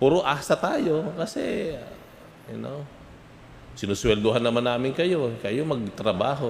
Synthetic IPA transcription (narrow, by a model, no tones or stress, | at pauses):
puɾoʔaːsɐt̪aːjo̞kɐsɛ̰ | ɐno | sɪnʊswɛld̪oɦanːɐmanːaːmɪnkɐjo̞kɐjomɐɡ̚t̪ɾɐbaːɦo